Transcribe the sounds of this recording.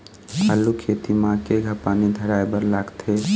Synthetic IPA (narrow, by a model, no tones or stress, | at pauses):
əlːukʰet̪imãkeɡʱəpaːnid̪ʱəɽajbəɾlaːɡt̪ʰe